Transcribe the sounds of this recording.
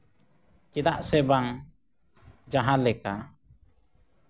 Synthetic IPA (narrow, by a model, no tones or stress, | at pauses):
kid̪aʔsɛbaŋ | d͡ʒaɦãlɛka